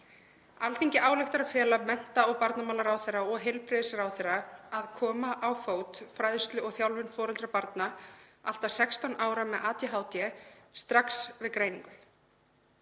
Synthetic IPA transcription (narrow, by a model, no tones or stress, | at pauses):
alt̪iɲcɪʔaːwlɪxt̪aɾaðfɛːlamɛn̥t̪aɔɣpaɾt̪namaːlaɾawθerːaɔɣɦejlpɾɪðɪsaɾawθɛrːaaðkʰɔːmaʔawfoːwt̪fɾajðʏst̪lʏɔɣθjawlvɪnfɔːɾɛlt̪ɾapaɾt̪naal̥t̪asɛkst̪anʔaːwɾamɛðʔaːt̪jɪɦaːwt̪jɛst̪ɾaksvɪðkɾeːjniŋkʏ